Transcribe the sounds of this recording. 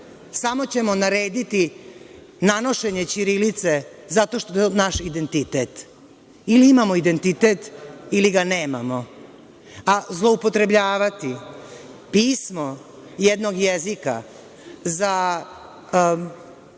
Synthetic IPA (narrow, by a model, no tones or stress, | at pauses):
samo̞t͡ɕe̞mo̞naɾe̞ːd̪it̪i | nano̞ʃe̞ɲet͡ɕiɾilit̪se̞ | zat̪o̞ʃt̪oonaʃid̪e̞nt̪it̪eːt̪ | iliimamo̞id̪e̞nt̪it̪et̪iliɡane̞ːmamo̞ | azlˠo̞upo̞t̪ɾe̞bʎaːʋat̪i | piːsmo | jed̪no̞ɡjezika̰ | za